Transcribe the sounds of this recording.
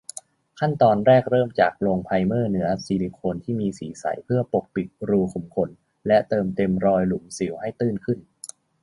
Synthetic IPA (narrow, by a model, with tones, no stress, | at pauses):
kʰa˥˩nt̪ɔː˧nɾɛː˥˩k̚ɾɤː˥˩mt͡ɕa̰ː˨˩k̚loː˧ŋpʰa˧jmɤː˥˩nɯ˩˦ɐsiː˧li˨˧˩kʰoː˧nt̪ʰiː˥˩miː˧sḭː˩˦sa̰˩˦jpʰɯ˥˩ɐpo˨˩k̚pi˨˩t̪̚ɾuː˧kʰu˩˦mkʰo˧n | lɛ˦˥t̪ɤː˧mt̪e˧mɾɔː˧jlu˩˦msi˨˩˦wɦa˥˩jt̪ɯː˥˩nkʰɯ˥˩n